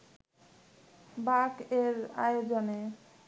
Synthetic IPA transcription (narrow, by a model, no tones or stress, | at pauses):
bakeɾa̰jod͡ʑone